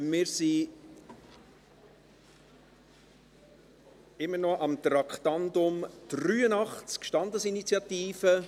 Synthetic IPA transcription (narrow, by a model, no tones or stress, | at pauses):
mɪːɾsi | ɪmːənɔʔɑmt̪ɾɑktɑnd̪ʊmd̥ryːənɑχt͡skʃtɑnd̪əsinit͡sjɑt̪iːfə